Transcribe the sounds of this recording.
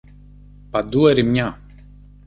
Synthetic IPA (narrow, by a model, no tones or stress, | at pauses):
pad̪uɛɾimɲa